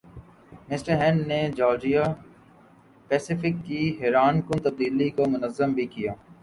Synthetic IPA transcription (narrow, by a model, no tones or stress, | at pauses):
mɪsʈəɾɦɛ̃ːɳɖned͡ʒɔːɾd͡ʒija | pɛːsɪfɪkːiɦɛːɾaːnkʊ̃nt̪ɐb̚d̪iːlikomʊnəzːəmbʱikijaː